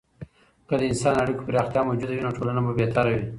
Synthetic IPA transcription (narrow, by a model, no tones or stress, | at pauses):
kəd̪əɪnsɑnaɽikopəɾɑxt̪jɑmowd͡ʒud̪awinoʈʰolanababet̪ɑɾawi